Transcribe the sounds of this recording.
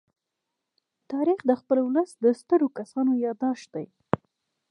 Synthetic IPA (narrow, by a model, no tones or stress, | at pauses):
t̪ɑɾixd̪əxpəlwləsd̪əst̪əɾokasɑnojɑd̪ɑʃd̪̥aj